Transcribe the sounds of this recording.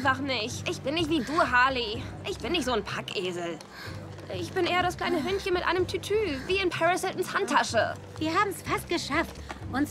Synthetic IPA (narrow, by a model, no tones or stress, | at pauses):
nfaχnɪçtʔɪçb̥ɪnːɪçtv̥iːduːɐɦaːli | ʔɪçb̥ɪnːɪçtz̥oːnpʰakʔeːzl̩ | ɪçb̥ɪnʔeːɐɾaskl̥aɪnəɦʏnçənmɪtʔa̰ɪnəmtʰytʰyːviːɪnpʰɛʁasɪltn̩shantʰːaʃə̰ | viːɐɦaːbm̩sfast̚ɡ̥əʃaftʔʊn